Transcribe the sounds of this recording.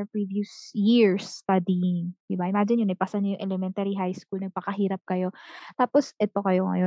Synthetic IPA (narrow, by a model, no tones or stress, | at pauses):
ɛpɹiviʊsjɪɹst̪ad̪ɪjɪŋd̪ɪbaʔɪmaːd͡ʒɪnɲʊnɐpasɐnɲojʊŋʔɛlɛmɛnt̪ɛɾiɦajskulnɐɡ̚pɐkɐɦiːɾɐp̚kɐjo̞t̪aːposʔɛt̪o̞kɐjo̞ŋɐ̰jo